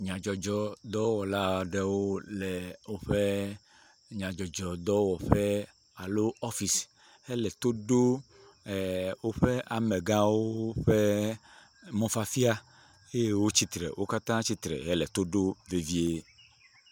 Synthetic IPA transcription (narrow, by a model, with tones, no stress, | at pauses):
ɲã˨d͡ʒɔ˨d͡ʒɔ˨d̪ɔ˦wɔ˨la˦ɖe˦wo˦lɛ˨wo˦ɸe˦ | ɲã˨d͡ʒɔ˨d͡ʒɔ˨d̪ɔ˦wɔ˨ɸɛ˦ | a˨lo˦ɔ˦fi˨s | hɛ˦lɛ˨t̪o˦ɖo˦˨ | wo˦ɸe˦a˨me˨ɡã˦wo˦ɸe˦ | mɔ̃˦fa˦fi˦a˦ | e˦e˦wo˦t͡ɕi˦t̪ɾɛ̰˨wʔo˦ka˦t̪ã˦t͡ɕi˦t̪ɾɛ̰˨ɦɛ˦lɛ˨t̪o˦ɖo˦ve˨vi˦e˦